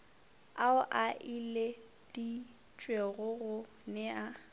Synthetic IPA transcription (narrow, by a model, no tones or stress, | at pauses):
aʊʔaʔile | d̥i | t͡ʃʼweɣʊɣʊ | nɛa